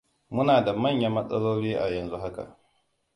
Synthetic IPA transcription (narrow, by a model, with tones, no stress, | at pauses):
mʊ˦naː˨da˨mɐ˦˨ɲja˦mɐ˦sʼɐ̰˦loː˦ɽiː˦ʔa˨jɐ˨nzu˦ɦa˦ka̰˨ʔ